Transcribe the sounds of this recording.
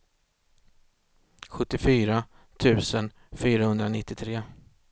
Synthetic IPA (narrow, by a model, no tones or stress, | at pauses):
ɧɵt̪ːɪfyːɾa | t̪ʰʉ̟ːsən | fyːɾahɵnd̪ɾanɪt̪ːɪt̪ʰɾeː